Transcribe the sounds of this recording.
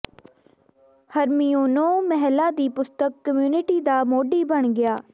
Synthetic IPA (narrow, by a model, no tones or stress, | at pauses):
həɾmiːoːnõːmɛɦlãːd̪iːpʊst̪əkːəmjuːnɪʈiːd̪aːmoːɖiːbəɳɡɪjaː